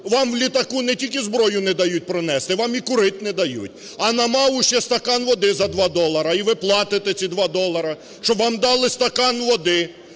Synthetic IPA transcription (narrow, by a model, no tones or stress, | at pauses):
ʋɑmʋlʲit̪ɐkunɛtʲilʲkʲɪzbɾɔjʊnɛd̪ɐjut̚ʲpɾɔnɛst̪ɪʋɑmikʊɾɪt̪ʲnɛd̪ɐjṵt̚ʲ | ɐnɐmɑʊʃɛst̪ɐkɑnʋɔd̪ɪzɐd̪ʋɑd̪ɔlˠɐɾɐiʋɪplˠɑt̪ɪt̪et͡sʲid̪ʋɑd̪ɔlˠɐɾɐ | ʃt͡ʃɔbʋɑmd̪ɑlˠɪst̪ɐkɑnʋɔd̪ɪ